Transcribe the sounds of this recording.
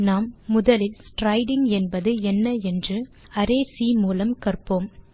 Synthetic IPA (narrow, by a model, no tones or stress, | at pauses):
naːmːʊðɐlɪlsʈɾɐɪɽɪŋɡɛnbɐðɯɛnːɐɛndrɯ | ɐɾeːsimuːlɐmkɐrpoːm